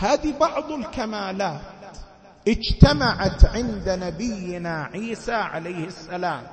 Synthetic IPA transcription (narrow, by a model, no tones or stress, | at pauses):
haːðibɑʕðˤɪlkamaːlaːt̪ | ʔɪd͡ʒt̪amaʕat̪ʕɪnd̪nabɪjːɪnaʕiːsaʕa̰lajhɪsːalaːm